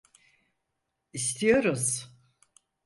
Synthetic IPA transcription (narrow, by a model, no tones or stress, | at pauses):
ist̪ʰijo̞ɾuz̥